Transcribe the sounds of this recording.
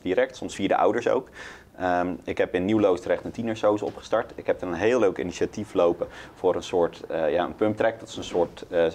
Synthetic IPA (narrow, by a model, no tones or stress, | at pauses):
diɾɛk̚tsɔmsfiːɹdə̰ʔʌ̰wdəɹso̰wk | əmɪkɦɛpɪnːiwlowstərɛχtətinəɹsowzɔ̰pχə̥stɑɹtɪkɦɛp̚dənənɦeːlˠlːøɥkḭniʃatiflowpəfʊːɾənsʊːɹtəjaə̰npɵmp̚trɛk̚dɑtɪ̥sə̃nsʊːɹt